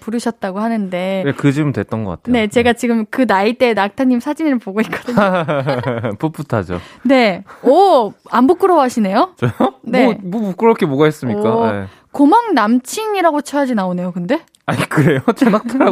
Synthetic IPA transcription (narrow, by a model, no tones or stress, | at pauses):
puɾɯɕʰʌt̚t͈aɡohanɯnde̞ekɯd͡ʑimɯntwe̞t̚t͈ʌnɡʌk͈atʰene̞t͡ɕe̞ɡat͡ɕiɡɯmkɯnait͈e̞nak̚tʰaɲːimsʰad͡ʑinɯɾɯɭpoɡoik͈ʌdɯɲo | pup͈utʰad͡ʑo̰ne̞ʌambuk͈ɯɾʌwaɕʰine̞jot͡ɕʌjoneokɯɾʌkʰeboɡaɦes͈ɯmɲik͈ae | komaŋnamt͡ɕʰiŋiɾaɡot͡ɕʰʌjad͡ʑinaone̞jokɯnde̞ | aɲikɯɾe̞jot͡ɕʰʌnak̚tʰɾa